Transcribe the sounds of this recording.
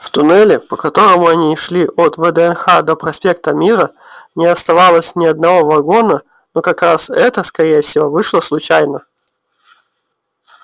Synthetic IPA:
ft̪ʊnɛlʲɪpəkɐt̪o̞ɾəmʊɐnʲiʂlʲiʔot̪vəd̪əɛnxad̪opɾɐsʲpʲe̞k̚t̪əmʲiɾə | nʲɪɐst̪ɐvalˠəsʲnʲɪɐd̪nɐvo̞vɐɡo̞nə | no̞kɐkɾasɛt̪əskɐɾʲejəfsʲɪvo̞vɨʂlˠəslˠʊt͡ɕæjnə

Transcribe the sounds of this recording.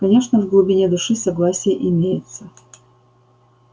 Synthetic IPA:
kɐnʲe̞ʂnəvɡlˠʊbʲɪnʲed̪ʊʂɨsɐɡlˠasʲɪjəʔɪmʲejɪt̪sə

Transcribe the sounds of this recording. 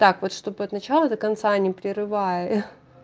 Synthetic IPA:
t̪akvo̞t̪ʂt̪o̞bɨɐt̪nɐt͡ɕalˠəd̪əkɐnt̪sanʲɪpɾʲɪɾɨvajə

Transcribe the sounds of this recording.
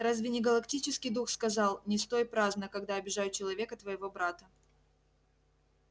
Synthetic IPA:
razvʲɪnʲɪɡəlˠɐktʲit͡ɕɪskʲɪjd̪uxskɐzɑlˠnʲɪst̪o̞jpɾaznəkɐɡd̪aɐbʲɪʐajʊt͡ɕɪlˠɐvʲe̞kət̪vəjɪvo̞bɾat̪ə

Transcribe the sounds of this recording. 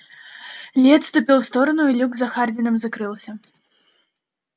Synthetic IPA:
lʲɛt̪st̪upʲiwst̪ɔɾɐnʊilʲuɡzɐxard̪ʲinɐmzɐkɾɨwˠsʲɐ

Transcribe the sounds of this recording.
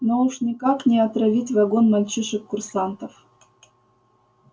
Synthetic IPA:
nouʂnʲɪkaknʲɪɐt̪ɾɐvʲitʲvɐɡonmɐlʲt͡ɕiʂɨkːʊrsant̪əf

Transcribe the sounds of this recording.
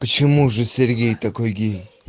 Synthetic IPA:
pət͡ɕɪmuʐɨsʲeɾɡʲejt̪akojɡʲij

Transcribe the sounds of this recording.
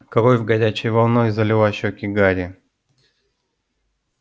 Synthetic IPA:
kɐɾojʲvɡɐdʲæt͡ɕɪjvɐlˠnojzɐlʲɪvˠaɕokʲɪɡaɾʲɪ

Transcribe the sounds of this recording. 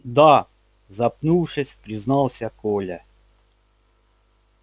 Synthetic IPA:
d̪a | zɐpnuwʂɨsʲpɾʲɪznɑlˠsʲakɔlʲɐ

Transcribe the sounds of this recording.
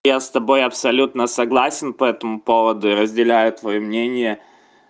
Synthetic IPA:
jast̪ɐbo̞jɐpsɐlʲut̪nəsɐɡlˠasʲɪnpɐɛt̪əmʊpovəd̪ʊɪɾəzʲdʲɪlʲæjʊt̪vɐjomnʲenʲɪjə

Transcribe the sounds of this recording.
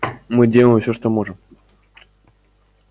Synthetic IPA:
mɨdʲelˠəmfsʲoʂt̪omoʐɨm

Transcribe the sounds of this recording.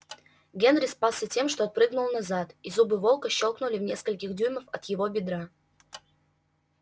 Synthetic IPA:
ɡʲe̞nɾʲɪspalˠsʲətʲe̞mʂt̪oɐt̪̚pɾɨɡnʊlˠnɐzat̪izubɨvo̞lˠkəɕːo̞lˠknʊlʲɪvnʲe̞skəlʲkʲɪxdʲujməfɐt̪jɪvo̞bʲɪd̪ɾa

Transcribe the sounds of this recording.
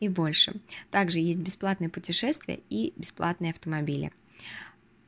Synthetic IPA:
ivbo̞lʲʂɨ̰t̪aɡʐɨjesʲt̚ʲbʲɪsplˠat̪nɨjəpʊtʲɪʂɛst̪vʲɪ̰jə̰ibʲɪsplˠat̪nɨjəɐft̪əmɐbʲilʲɪ̰

